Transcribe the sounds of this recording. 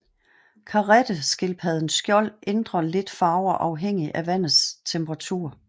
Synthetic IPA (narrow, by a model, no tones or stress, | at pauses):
kʰɑ̈ʁed̥əsɡ̥e̝lpʰɛðˠn̩sɡ̥jɒ̽l̰ʔend̥ʁɐle̝d̥fɑ̈ːʊɒʔɑ̈ʊɦeŋ̰iʔæʋæn̰ð̩ˠst͡sʰemb̥ʰʁɑ̈t͡sʰuːɐ